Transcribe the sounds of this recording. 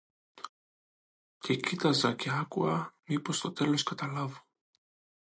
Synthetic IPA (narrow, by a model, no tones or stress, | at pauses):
cecit̪ɐzɐceɐkuɐmipo̞st̪o̞t̪e̞lo̞skɐt̪ɐlɐvo̥